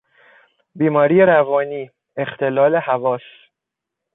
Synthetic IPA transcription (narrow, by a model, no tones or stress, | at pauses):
biːmɒːɾiːjeɾævɒːniː | ext̪ʰe̞lɒːle̞hævɒːs